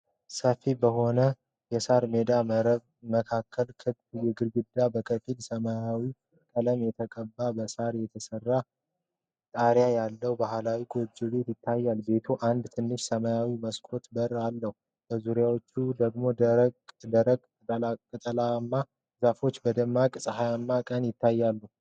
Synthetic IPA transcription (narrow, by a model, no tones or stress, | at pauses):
səfibəho̞nə | jɛsaɾmed̪a | məkʰakːəlkʰɨbt̪jɛɡɨɾɡɨd̪ːabəkʰəfilsəmajawi | kʼələmjɛt̪ʰəkʼəbːabəsaɾjɛt̪ʰəsərːa | t̪ʼaɾjajalːəhwbahlawiɡo̞d͡ʒube̞t̪jɪt̪ʰːajːalbe̞t̪ʰuʔand̪t̪ʰɨnːɨʃsəmajawiməskʼo̞t̪bəralːəhu | b̥əzuɾjawot͡ʃːud̪əɡmo̞d̪ | əɾək̪ʼ | kʼɨt̪ʼəlamːa | zafo̞t͡ʃːbəd̪əmːakʼsʼəhajamːakʼənjɪt̪ːajːalːuh